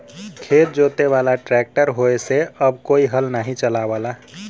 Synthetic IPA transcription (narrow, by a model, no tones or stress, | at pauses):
kʰeːt̪̚d͡ʒot̪eʋalaʈɾɛk̚ʈəɾɦoeseəbkoːiɦəlnaɦĩt͡ʃəlaʋala